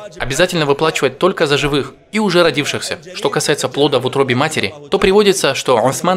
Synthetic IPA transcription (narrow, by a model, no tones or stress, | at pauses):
ɐbʲɪzatʲɪlʲnəvɨplˠat͡ɕɪvəɪt̪ːo̞lʲkəzəʐɨvɨx | iʊʐɛɾɐdʲifʂɨxsʲəʂt̪o̞kɐsajɪt̪səplˠo̞d̪əvʊt̪ɾobʲɪmatʲɪɾʲɪ̰t̪o̞pɾʲɪvo̞dʲɪt̪səʂt̪o̞ʊsman